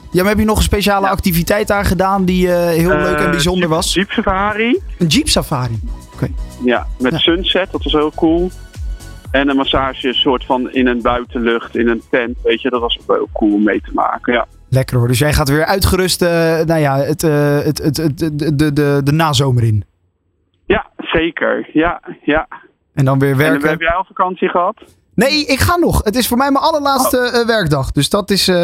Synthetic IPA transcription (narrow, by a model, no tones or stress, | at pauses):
jamaɦɛpjənɔχəns̬pejʃaːləɑk̚tivitɛjt̚daːɹχədaːndiəɦɪːlˠløɥkɛnbizɔndəɹʋɑsd͡ʒipsafaːriənd͡ʒipsafaːɾiokejjamɛtsønsɛt̚dɑtʋɑsɦɪːlˠkulˠ | ɛnənmasaːʒəsʊːɹtfɑnɪ̰nənbœɥtəløχtɪnəntɛntʋejtədɑtʋɑsok̚lhɪ̰ːlˠkulˠɔmːejtəma̰ːkənja | lɛkərɦɔːɹdɵsjɛjχaːtʋɪːɹʔœɥtχəɾɵstənawjaːətəttdədədənaːzowməɾɪn | jaz̥ejkə̰ɹjaja | ʔɛndɑnʋɪːɹʋɛɹɛbəjɛjlˠfakɑnsiχəɦɑt | nejɪkχaːnɔχətɪsfʊːɹmɛjmaɑləɹlaːtstəʋɛɹɡ̚dɑχdɵsdɑtɪs